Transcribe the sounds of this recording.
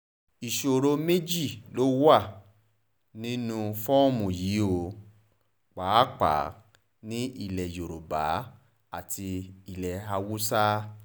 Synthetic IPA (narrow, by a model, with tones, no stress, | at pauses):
i˨ʃo˨ɾo˧˦me˦d͡ʒi˦˨lo˨˦wa˦˨ | nĩ˦nũ˧fɔ̃˦o˦˨mũ˨ji˨˦o˨˧˨ | k͡paː˨˦k͡pa̰˨˦ | nĩ˦i˧˨lɛ˨jo˨ɾo˨ba̰˨˦ | a˦˨ti˧i˨lɛ˨a˧wu˦sa˦